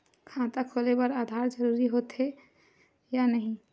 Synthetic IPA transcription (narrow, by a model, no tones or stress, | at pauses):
kʰãt̪akʰolebəɾad̪ʱaɾd͡ʒəɾuɾiɦot̪ɦe | janəɦĩ